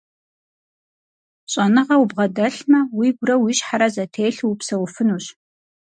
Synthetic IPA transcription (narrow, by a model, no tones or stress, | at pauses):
ɕʼɐnɨʁɐwʊbʁɐdɐɬmɐwiːɡʷʊrɐwiɕħaɾɐzɐtʰeːɬwupsɐwʊfɨnuːɕ